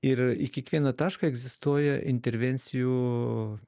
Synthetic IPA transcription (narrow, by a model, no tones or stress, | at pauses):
ɪɾɪkʲiɛkʋʲiɛnɐt̪ɑːʃkɐɛɡzʲɪst̪uɔjɛʔɪnʲt̪ʲɛɾʲʋʲɛnʲt̪sʲɪjuː